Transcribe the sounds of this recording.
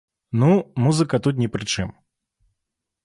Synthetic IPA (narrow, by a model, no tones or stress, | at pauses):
numuzɨkət̪ut̪̬nʲɪpɾɨt͡ʂɛm